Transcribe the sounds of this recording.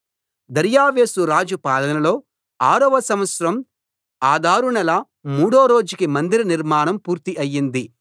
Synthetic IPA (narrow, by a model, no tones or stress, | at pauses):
d̪ɐɾjaːʋeːsuɾaːd͡ʒupaːd̪ɐnɐnɐlo̞ː | aːɾɐʋɐsɐmʋɐt̪sɐɾɐm | aːd̪ʱaːɾuɳɐlɐ | muːɽoːɾo̞ːd͡ʒukimɐnd̪iɾiniɾmaːɳɐmpuːɾt̪iʔɐjːind̪i